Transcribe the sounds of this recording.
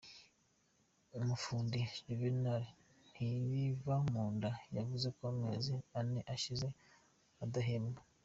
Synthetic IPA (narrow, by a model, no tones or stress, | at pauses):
umufuːndiɟuvinaɾe | n̥hiβivamuːndajavuze̞koamḛzianeʔaʃize̞ | adaɦeːmba